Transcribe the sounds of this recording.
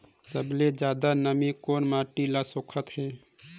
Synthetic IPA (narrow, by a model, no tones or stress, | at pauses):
səbled͡ʒjaːd̪anəmikoːnmaːʈilasoːkʰət̪hɛː